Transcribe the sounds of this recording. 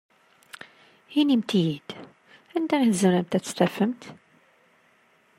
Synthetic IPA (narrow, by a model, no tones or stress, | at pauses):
hinimt̪ijid̪̥ | ænd̪æiθzənæmt̪æt͡sːst̪æfəmt̪